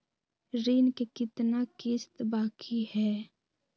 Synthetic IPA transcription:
ɾiːnkekɪt̪nakɪst̪baːkʰihɛː

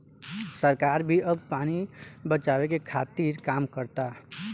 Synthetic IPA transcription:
səɾkaɾbʱiʔəbpanibət͡ʃawekekʰat̪iɾkaːmkəɾt̪a

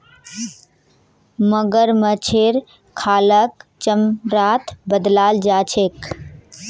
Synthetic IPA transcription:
məɡəɾmət͡ʃʰeːɾ | kʰaːləkt͡ʃəmɾaːt̪ʰbəd̪laːld͡ʒaːt͡ʃʰeːk

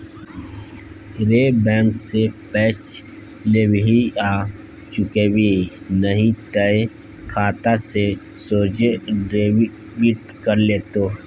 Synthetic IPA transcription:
ɾeːbɛ̃ːŋksepɛːt͡ʃ | lewɦiaː | t͡ʃʊkewi | nəɦĩt̪əe | kʰaːt̪asesoːd͡ʒɖɾeːw | ʋiʈ̚ | kəɾleːt̪oː

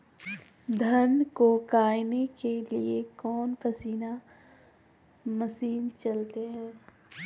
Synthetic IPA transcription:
d̪ʱənkokaːɪnekeliekɔːnpʰəsiːna | məsiːnt͡ʃɐlt̪eɦɛ̃ː

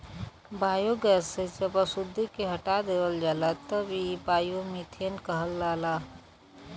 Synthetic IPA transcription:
baːjoɡəsed͡ʒəbasʊd̪ʱːikeɦɐʈad̪eːʋəld͡ʒaːlat̪ɐbibaːjomit̪ʰijənkəɦəlːaːlaː

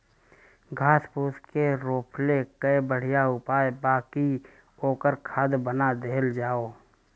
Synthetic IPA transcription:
ɡʱaːspuːskeɾoːpʰlekəebəɽ̤ɪjaʊpaːebaːki | oːkəɾkʰaːd̪bənad̪eːld͡ʒaːoː

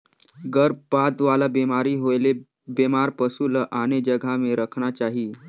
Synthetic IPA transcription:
ɡəɾbpad̪ʋalabemaɾiːɦojle | bemaɾpəsuləʔaɽ̃ed͡ʑəɡʱameɾəkʰɳ̃at͡ɕaɦiː

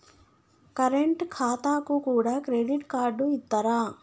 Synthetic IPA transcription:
kɐɾeɳʈkʰaːt̪aːkukuːɽaːkɾeɖiʈkaːɾɖuit̪ːɐɾaː

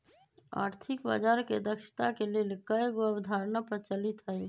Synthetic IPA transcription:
a̰ːɾt̪ʰikba̰d͡ʒaɾked̪əkʃə̥t̪akelelkəjɡoəbd̪ʱaɾnapət͡ʃəlit̪ɦəj

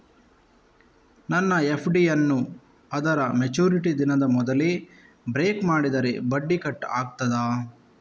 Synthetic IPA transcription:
nɐnːɐepʰɖijɐnːu | ɐd̪ɐɾɐmet͡ʃuːɾiʈid̪inɐd̪ɐmɔd̪ɐli | bɾeːkmaːɽid̪ɐɾebɐɖːikɐʈːaːɡt̪ɐd̪aː

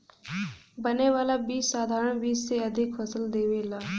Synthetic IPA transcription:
bəneʋaːlabiːsːaːd̪ʱaːɾəɳ̃biːsseɐd̪ʱɪkfʰəsəld̪eːʋeːlaː

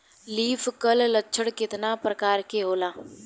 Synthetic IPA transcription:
liːpʰkəllətːʃʰəɽkɪt̪naːpɾəkaːɾkeːɦoːlaː

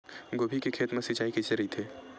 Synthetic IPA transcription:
ɡoːbʱikekʰeːt̪mẽsɪt͡ʃaːikit͡ʃeɾit̪ʰeː

